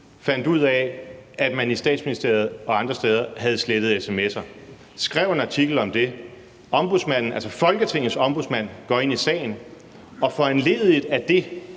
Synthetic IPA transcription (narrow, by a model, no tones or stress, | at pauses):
fæn̰d̥uð̞̰ˠɛæd̥mænisd̥ɛ̰ːd̥sminisd̥e̝̰ɐð̞̩ˠɒ̽ɑ̈nd̥ʁɐsd̥eːð̞ˠɐɦæð̞̩ˠsled̥əð̞̩ˠesemesɐ | sɡ̥ʁɛʊ̰e̝nɑ̈t͡sʰiɡ̥l̩ɒ̽md̥e̝ | ɒ̽mb̥uðˠsmæn̰n̩ælsɒfɒ̽lɡ̥ət͡sʰeŋ̰̩ˠsɒ̽mb̥uðˠsmæn̰ɡ̥ɒ̰̽e̝n̰isɛ̰ːɪn | ɒ̽fɒ̽ænle̝ːðˠid̥æd̥e̝